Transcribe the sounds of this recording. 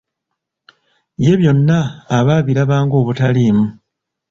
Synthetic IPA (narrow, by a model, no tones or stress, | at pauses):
je̞βjo̞nːaːβaːβiɾaβaːŋɡo̞ːβutaliːmu